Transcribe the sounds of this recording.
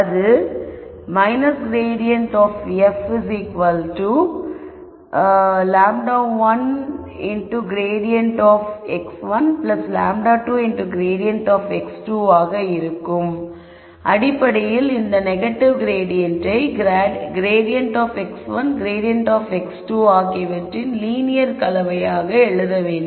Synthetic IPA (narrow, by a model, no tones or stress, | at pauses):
ɐðɯ | mɐɪnɐsɡɾeːɖɪjɐɳʈɔːfɛfɪsikʋɐlʈuː | laːmɖaːʋɐn | ɪɳʈuɡɾeːɖɪjɐɳʈɔːfɛksʋɐnplɐsla̰ːmɖaːʈuːɪɳʈuɡɾeːɽɪjɐɳʈɔːfɛksʈuːaːɣɐɪɾɯkːɯm | ʔɐɽɪpːɐɽɐjɪlɪnd̪ɐnɛɣɐʈːɪʋɡɾeːɽɪjɐɳʈɐɪɡɾːɡɾeːɖɪjɐɳʈɔːfɛksʋɐnɡɾeːɖɪjɐɳʈaːfɛksʈuːaːkeʋɐʈrɪnliːnɪjɐɾkɐlɐʋɐjaːɣɐɛɭɯðɐʋeːɳ